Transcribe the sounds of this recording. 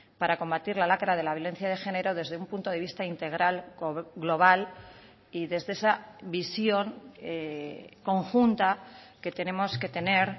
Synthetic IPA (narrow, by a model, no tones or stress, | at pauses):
paɾako̞mbat̪iɾlalakɾað̞e̞laβjole̞n̟θjað̞e̞xe̞ne̞ɾo̞ðe̞zðeumpunt̪o̞ð̞e̞β̞ist̪aint̪e̞ɣ̞ɾalɣlo̞β̞al | iðe̞zðe̞esaβisjo̞ŋeko̞ŋxunt̪ake̞t̪e̞ne̞mo̞ske̞t̪e̞ne̞ɾ